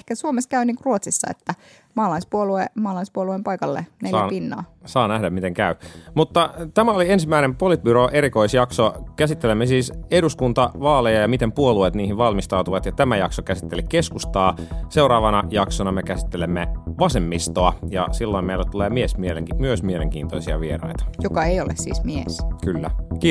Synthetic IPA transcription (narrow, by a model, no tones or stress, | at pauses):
kæsuomeskæyniːŋkuruot̪sisːɑ̰ḛt̪ːæ | mɑːlɑispuoluemɑːlɑispuoluempɑikɑlːḛnelɑjæpinːɑ̰ːsɑːnæhdæmmit̪eŋkæymut̪ːɑt̪æmæoliensimːæinempolit̪̚byɾoʔeɾikoisjɑksokæsit̪ːelemːesiːseduskunt̪ɑʋɑːlejɑjɑmit̪empuoluet̪niːhiʋʋɑlmist̪ɑut̪uʋɑt̪jɑt̪æmæjɑksokæsit̪ːelikeskust̪ɑːseuɾɑːʋɑnɑjɑksonɑmekæsi̥t̪ːelemːeʋɑsemːist̪oɑjɑ̰silːoimeilːæt̪uleːmiesmieleŋkmyøsmieleŋk̟ḭːnt̪o̰isiɑ̰ʋierɑ̰it̪ɑ̥jokɑeijolḛssḭːsmieskylːæki